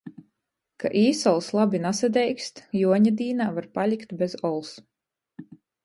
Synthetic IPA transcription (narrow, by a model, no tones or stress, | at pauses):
kʰa̰ʔiːsɔlˠslˠabinasad̪ʲɛjkst̪juɔɲad̪iːnaːvaɾpalʲikt̪bʲezɔlˠs